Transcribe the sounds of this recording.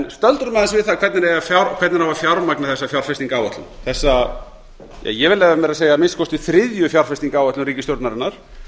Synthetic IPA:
nst̪œlt̪ɾʏmɛðansvɪðθakʰvɛt̪nɪɾɛjafjaɾkʰvɛt̪nɪɾhavafjawɾmaknaθɛsːafjawɾ̥fɪst̪iŋkaːwat̪lʏmθɛsːa | ja̰jɛvɪlɛvamɛɾaðseːjamɪnskʰɔst̪ʏθɾɪðjʏfjawɾr̥fɪst̪iŋkaːwœt̪ʏmɾiːcɪst̪jowɾt̪naɾɪnːaɾ̥

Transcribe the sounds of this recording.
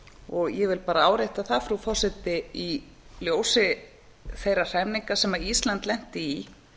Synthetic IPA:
ɔɣjɛvɪlpaːɾaaːwɾejht̪aθafɾufɔr̥sɛt̪ɪi | ljoːwsɪ | θejɾar̥ɛmniŋkasɛmaɾist̪lant̪lɛn̥t̪ɪi

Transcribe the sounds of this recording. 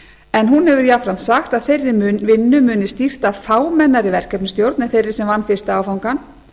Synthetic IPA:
ɛnɦunhɛvʏɾjafɾamsaxt̪aðθejrːɪvɪnːʏmʏːnɪst̪ir̥t̪afaːwmɛnːaɾivɛr̥kɛpnʏst̪jowɾt̪nɪθejɾɪ̥sɛmvanːfɪɾ̥st̪ɪaːwfawŋkan

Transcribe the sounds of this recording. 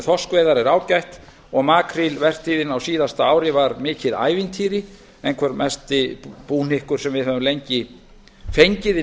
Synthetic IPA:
θɔskvɛjðaɾɛɾaːwcajht̪ | ɔɣmaːkʰɾilvɛr̥t̪iːðɪnawsiːðast̪aaːwɾɪvaɾmɪːcɪða̰ːjvɪnt̪ʰiːɾɪ | ɛjnkʰvœɾmʔɛst̪ɪpuːnɪhkʏɾ̥sɛmvɪðhœːvʏmlejɲcɪ | fejɲcɪðɪ

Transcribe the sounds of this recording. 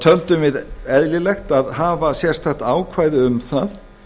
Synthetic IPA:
t̪ʰœlt̪ʏmvɪðɛðlɪlɛxt̪aðɦaːvasjɛr̥t̪θaxt̪aːwkʰvaːjðɪʏmθað

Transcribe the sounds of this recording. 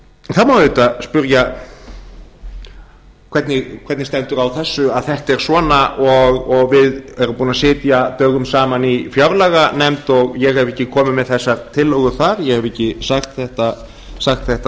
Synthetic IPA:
θaðmawðʏːt̪aspʏɾja | kʰvɛt̪nɪkʰvɛt̪nɪst̪ɛnt̪ʏɾawθɛsːʏaðθɛht̪ɛɾ̥svɔːnaʔɔɣɔɣvɪðɛɾʏmpuːnasɪːt̪jat̪œːɣʏmsaːmanifjawɾlɛɣanɛmt̪ɔɣjɛɣɛvɛhcːɪkʰɔːmɪmɛðθɛsːaɾt̪ʰɪlːɔɣʏθaɾjɛɣhɛvɛcːɪsaxt̪θɛht̪a | saxt̪θɛht̪a

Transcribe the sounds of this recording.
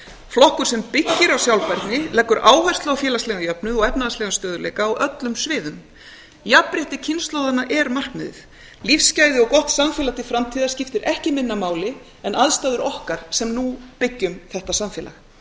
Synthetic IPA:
flɔhkʏɾ̥sɛmpɪcːɪɾawsjawlpajɾt̪nɪlɛkːʏɾʔaːwhajr̥st̪lɛːɣafjɛːlast̪lɛːɣajœpnʏðɔɣɛpnaðaslɛɣast̪œːðʏlḛjkaːwʔœt̪lʏmsvɪːðʏm | japːɾɪht̪ɪcʰɪnst̪lowðanaʔɛɾmar̥knɛðɪ̰θ | lifscaːjðɪɔkɔht̪samfjɛlat̪ɪfɾamt̪ʰiːðḁscɪft̪ɪɾʔɛhcɪmɪnːamaːwlɪ | ɛnʔaðst̪aːðʏɾɔhkaɾ̥sɛmnupɪcːʏmθɛht̪asamfjɛːla̰x

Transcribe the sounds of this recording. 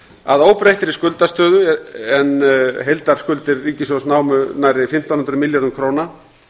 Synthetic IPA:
aðoːwpɾeht̪ɪɾiskʏlt̪ast̪œːðʏɛnɦejlt̪aɾ̥skʏlt̪ɪɾːiːcɪsɔsnaːwmʏnajɾɪfɪm̥t̪awnʏnt̪ɾʏmɪljaɾðʏmkʰɾoːwna

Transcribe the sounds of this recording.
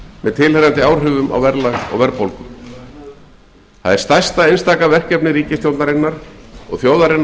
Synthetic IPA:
mɛðt̪ʰɪlhɛɾant̪ɪawr̥ɦʏːvʏma̰wvɛɾlaɣɔ̰ɣvɛɾpowlkʏm | θaðɛɾ̥st̪ajst̪aejnst̪aːkavɛr̥kcɛpnɪɾiːcɪst̪jowt̪naɾɪnːaɾ̥ɔ̰ɣθjowðaɾɪn

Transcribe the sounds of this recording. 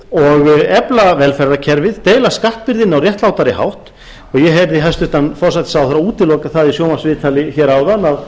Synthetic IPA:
ɔɣɛplavɛlfɛrːacʰɛɾvɪðt̪eːjlaskaht̪̚pɪɾðɪnːawrjɛht̪lawt̪aɾɪha̰wht̪ | ɔɣjɛɦeɾðɪɦajst̪ʏht̪anfɔr̥sat̪ɪ̥sawθaɾauːt̪ɪlɔːkaθaðisjoːwmasvɪːt̪ʰalɪçɛːɾawðanːað

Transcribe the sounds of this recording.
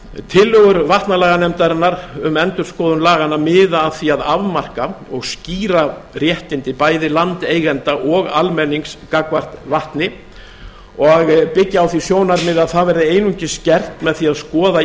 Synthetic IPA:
t̪ʰɪlːœɣʏɾvaht̪nalaːɣanɛmt̪aɾɪnːaɾʏmɛnt̪ʏɾ̥skɔːðʏnlaːɣanːamɪːðaːðθiaðavmar̥kaɔɣsciːɾarjɛhc̪ɪnt̪ɪpaːjðɪlant̪eːjɣɛnt̪aʔɔɣalmɛnːiŋskakvar̥t̪vaht̪nɪ | ɔɣpɪcːaawθisjoːwnaɾmɪðaðθaðvɛɾðɪeːjnuɲcɪscɛr̥t̪mɛðθiaðskɔːða

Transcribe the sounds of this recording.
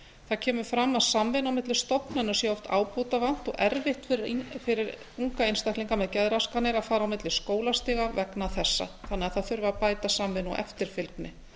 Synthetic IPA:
θaðcʰɛːmʏ̥fɾamːaðsamvɪnawmɪt̪lɪst̪ɔpnɛnːʏ̥sjɛɔft̪ʰa̰ːwpoːwt̪avan̥t̪ɔɣɛɾvɪht̪ffɪɾɪɾ | uŋkaejnst̪ahk̪liŋkamɛðcɛðɾaskanːɪɾaðfaːɾawmɪt̪lɪskoːwlast̪ɪːɣavɛknaθɛsːa̰θanɛɣaðθaðθʏɾvapaːjt̪asamvɪnuʔɛ̰ft̪ɪɾ̥fɪlknɪ

